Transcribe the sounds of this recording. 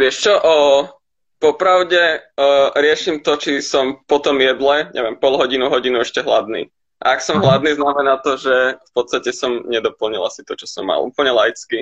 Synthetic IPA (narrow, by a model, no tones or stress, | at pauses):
ʋɪɛʃt͡ʃɔʔə | pɔpɾaʊɟɛ | ɾɪɛʃimt̪ɔt͡ʃisɔmpɔt̪ɔmjɛd̪lɛɲʔɛ̰ʋɪɛmpɔlɦɔɟinuɦɔɟinuɛʃcɛɦla̰d̪nḭː | ʔa̰aksɔmɦlad̪niːznamɛnaːt̪ɔʒɛfpɔt̪st̪acɛsɔmɲɛd̪ɔpl̩ɲila̰si̥t̪ɔt͡ʃɔsɔ̰mːa̰lʔuːpl̩ɲɛlajit͡ski